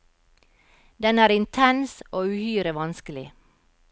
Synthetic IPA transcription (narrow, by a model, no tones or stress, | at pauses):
d̪ɛnæːɾɪnt̪ʰɛnsoːʉːhyːɾəʋɑnskəlɪ